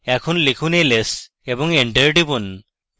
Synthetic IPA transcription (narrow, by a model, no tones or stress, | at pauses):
ɛkʰunlikʰuːneles | ebɔŋeɳʈeɾʈibun